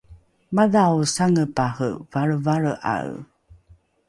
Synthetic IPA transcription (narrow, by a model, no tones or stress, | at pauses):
maðawsaŋəpahəvaɾəvaɾəʔa̰ɰ